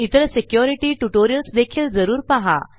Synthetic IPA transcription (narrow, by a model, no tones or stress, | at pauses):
it̪əɾsekjoɾiʈiːʈuʈoɾijəlsd̪ekʰiːld͡zəɾuːɾpaɦa̰